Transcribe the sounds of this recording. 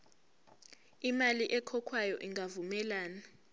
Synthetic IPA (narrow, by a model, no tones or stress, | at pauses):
imaliʔɛkʰɔkʰwajɔʔiŋɡʱavumɛlaːna